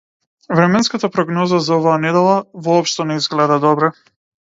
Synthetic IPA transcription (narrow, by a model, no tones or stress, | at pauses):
vɾɛmɛnskat̪apɾɔɡnɔzazaɔvaːnɛd̪ɛlˠavɔːpʃt̪ɔnɛizɡlɛd̪ad̪ɔbɾɛ